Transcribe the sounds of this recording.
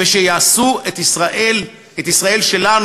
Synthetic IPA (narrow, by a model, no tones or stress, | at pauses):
veʃejaːsuet̪isʁaʔel | et̪isʁae̞lʃelan